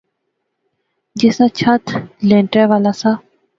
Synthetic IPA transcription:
d͡ʑɪsãːt͡ɕʰat̪ʰlẽːɳʈɾɛːʋaːlaːsaː

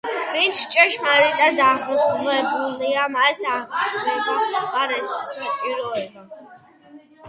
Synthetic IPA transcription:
vint͡ʃʰt͡ʃʼɛʃmalit̪ʼad̪aʁɾχʁɛbuliamaɛsaːχvɛbaaqʼaɾɛst͡ʃʼiɾɔɛba

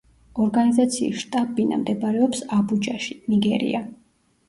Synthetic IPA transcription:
ɔɾɡanizat̪sʰiḭʃt̪ʼabina̰md̪ɛbaɾɛɔpsabud͡ʒaʃi̥niɡɛɾḭa

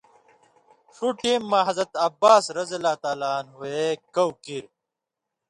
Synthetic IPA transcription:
ʂuʈimːaːɦɐzɐt̪ɐbaːsɾɐzɐlaːt̪aːlaːnɦuekɐwkiɾ

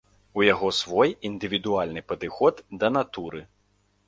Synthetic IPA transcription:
ujaɣɔsvɔjind̪ɨvʲid̪ualʲnɨpɐd̪ɨxɔd̪d̪ɐnat̪uɾɨ

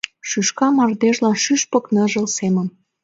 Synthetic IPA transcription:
ʃyʃkɑmɑrd̪eʒlɑnʃyʃpə̆knə̆ʒə̆lsemə̆m

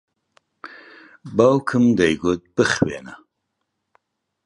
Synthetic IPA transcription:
bɐwkʰɨmd̪ɐjɡut̪̚bɨxwḛːnɐ

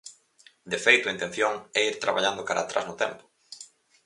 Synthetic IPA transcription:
d̪efejt̪ʊaint̪ẽn̟θjoŋɛiɾt̪ɾa̰βaʎand̪ʊkaɾa̰t̪ɾa̰znʊt̪ɛmpʊ̥

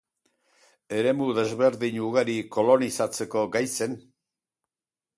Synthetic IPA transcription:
e̞ɾe̞muðe̞zβe̞ɾðiɲuɣ̞aɾiko̞lo̞nisat͡se̞ko̞ɡajse̞n

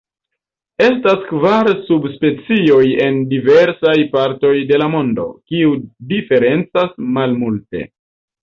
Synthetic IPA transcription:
e̞staskvaɾsubspe̞t͡sio̞je̞ndive̞ɾsajpaɾto̞jde̞lamo̞ndo̞̰kiudife̞ɾe̞nt͡sasmalmulte̞̰

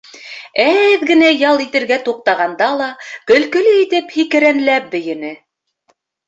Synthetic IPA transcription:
æðɡɘ̆næjɑlˠit̪ɘ̆ɾɡæt̪uq̚t̪ɑʁɑnd̪ɑlˠɑkɵ̆lkɵ̆lɘit̪ɘphikɘ̆ɾænlæp̚bɘ̆jɘ̆nɘ

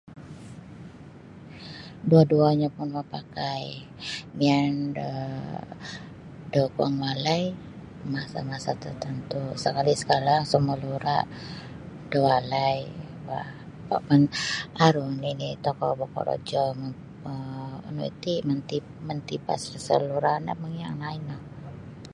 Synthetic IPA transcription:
duaduaɲapʊnməpakaj | miandə̰ | dəkuaŋwalaj | masa̰masat̪ərt̪ənt̪usəkalisə̥kaɾaŋsəməluɾa̰ʔ | dəwalaj | ba | pa̰ʔpanʔaɾunlinit̪ɔkɔbɔkɔ̰ɾo̰d͡ʒɔmə | ə̰nṵḭt̪imənt̪i | mənt̪ipa̰skəsə̰luɾana̰məŋja̰ŋlaɪnlah

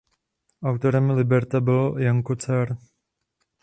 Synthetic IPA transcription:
ʔawt̪oɾɛmlɪbɛɾt̪abɪljaŋkot͡sɛɾ

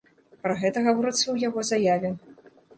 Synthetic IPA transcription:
pɾɐɣɛt̪ɐɣavɔɾɨt̪sɐwjaɣɔzajavʲɛ

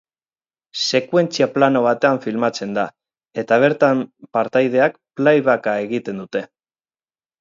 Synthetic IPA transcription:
se̞kwe̞nt͡siaplano̞β̞at̪e̞aɱfilmat͡se̞nd̪a | e̞t̪aβ̞e̞ɾt̪ampaɾt̪ajð̞e̞akplajβakae̞ɣit̪e̞nd̪ut̪e̞

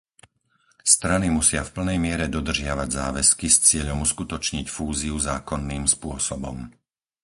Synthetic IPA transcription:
st̪ɾanimusɪafpl̩nɛjmɪɛɾɛd̪ɔd̪r̩ʒɪaʋaɟzaːʋɛskist͡sɪɛʎɔmuskut̪ɔt͡ʃɲicfuːziuzaːkɔnːiːmspʊɔsɔbɔ̰m

